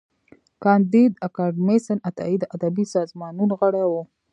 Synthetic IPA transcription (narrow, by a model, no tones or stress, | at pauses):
kɑnd̪id̪akɑɖmesanat̪a̰id̪əʔad̪abisɑzmɑnunɣəɽawu